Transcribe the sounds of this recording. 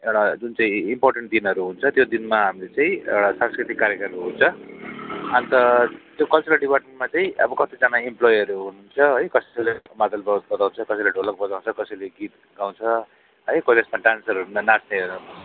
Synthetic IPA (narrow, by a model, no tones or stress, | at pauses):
ewɽad͡zunt͡saĩimporʈeɳʈ̚d̪inʌɾuɦunt͡sʰʌt̪jod̪inmaɦamilet͡saĩḛɽasanskrit̪ikːaɾjekʌɾuɦunt͡sʰʌ | ʌnt̪ʌt̪jokʌlt͡suɾʌlɖipaʈ̚mẽɳʈ̚mat͡saĩʔʌ̰bʌkʌt̪id͡zanaimplojɦʌɾuɦununt͡sʰʌɦʌjkʌsʌsʌjlemat̪albbʌt̪aw̃t͡sʰʌkʌsʌjleɖʱolʌk̚bʌd͡zaw̃nt͡sʰʌkʌsʌjleɡit̪̚ | ɡaw̃t͡sʰʌ | ɦʌjkosesmaʈansʌɾʌɾunnasneʌn